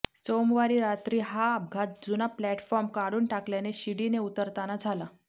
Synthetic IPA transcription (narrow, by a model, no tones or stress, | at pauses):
somʋaɾiːɾat̪ɾiːɦaːb̚ɡʱat̪̚d͡zunaplæʈfɔɾmkaɽuːnʈakljaneɕiɽineut̪əɾt̪anad͡zʱala